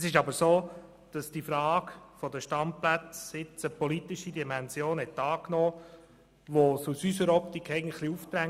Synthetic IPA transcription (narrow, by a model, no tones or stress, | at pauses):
əsɪʃɑbəɾsoː | d̥ɑsd̥ifɾɑːkfɔdəʃtɑmplæt͡sɪt͡səpɔlit̪iʃidimɛnzjoːnhɛt̪ɑːknɔː | ʋosusysəɾɔp̚t̪ikʰːɛɪɡəntχliuft̪ɾæŋ